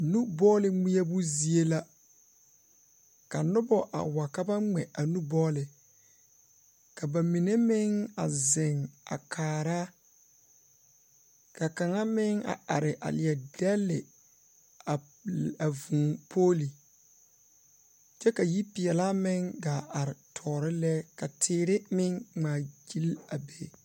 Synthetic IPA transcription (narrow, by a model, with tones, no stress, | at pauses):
nu˦bɔː˦lɪ˨ŋ͡mi˦a˦bu˦zi˨e˦la˦ | ka˨nʊ˦bɔ˦ʔa̰˨wa˨ka˦ba˦ŋ͡mɛ˨a˨nu˦bɔː˦lɪ˨ | ka˨ba˨mi˨ne˦mɪ˦ŋa˨zɪ˨ŋa̰˨kʰaː˨ɾaː˦ | ka˨ka˨ŋa˦mɪ˦ŋa̰˨a˨ɾɪ˨ʔa̰˨lɪ˨ɛ˨dɛ˦lːɪ˨ | a˨ | a˨vũː˨pʰoː˦li˨ | t͡ʃɛ˦ka˨ji˦pi˨ɛ˨la˦mɪ˦ŋɡa˨ʔa˨ɾɪ˨tʰɔː˨ɾɪ˦lɛ˦ka˨tʰɪː˦ɾɪ˦mɪ˦ŋŋ͡maː˨d͡ʒi˦la˨beː˦˨